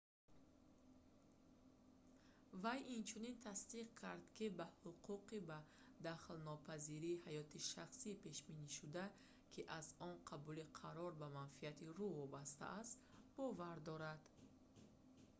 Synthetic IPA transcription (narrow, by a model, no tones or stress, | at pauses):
vajʔint͡ʃʰunint̪ʰast̪iq̚kʰaɾd̪kʰibahuqʰuqiba | d̪aχlnɔpʰaziɾiːhajɔt̪ʰiʃaχsiːpe̞ʃbiniʃud̪a | kʰiʔazɔnqʰabuliqʰaɾɔɾbamanfiat̪ʰiɾuvɔbast̪a̰ʔast̪bɔvaɾd̪ɔɾad̪̥